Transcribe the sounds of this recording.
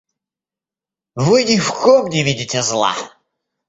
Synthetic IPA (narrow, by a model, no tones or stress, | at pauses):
vɨnʲɪfkɔmnʲɪvʲidʲɪtʲɛzlˠa̰